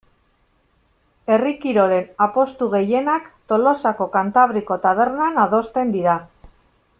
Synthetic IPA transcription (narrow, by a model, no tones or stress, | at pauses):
e̞rikiɾo̞ɾe̞napo̞st̪uɣe̞je̞nakt̪o̞lo̞sako̞kant̪aβ̞ɾiko̞t̪aβ̞e̞ɾnanað̞o̞st̪e̞nd̪iɾa